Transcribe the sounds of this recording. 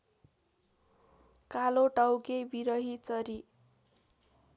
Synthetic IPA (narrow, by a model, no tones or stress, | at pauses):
kaloʈawkebiɾʌɦit͡sʌɾi